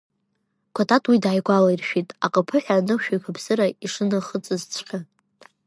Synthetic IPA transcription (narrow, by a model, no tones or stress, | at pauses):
kʷʰatʰʼatʰʼwidaːjɡʷalairʃᶣitʼaqʼəpʰɨħᶣanɨʃᶣajkʷʰabʰzɨɾaiʂɨnɨχət͡sʼɨzt͡sʷʰqʲa